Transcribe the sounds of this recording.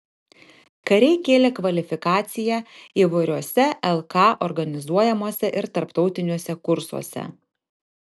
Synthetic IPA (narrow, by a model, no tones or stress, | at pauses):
kɐɾʲɛɪkʲeːlʲeːkʋɐlʲɪfʲɪkɑːt̪sʲɪjæiːʋɐɪɾʲuɔsʲɛʔɛlˠkɑːʔɔɾɡɐnʲɪzuɔjɛmoːsʲɛʔɪɾt̪ɐɾpt̪ɒʊt̪ʲɪnʲoːsʲɛkʊɾsṵɔ̰sʲɛ̰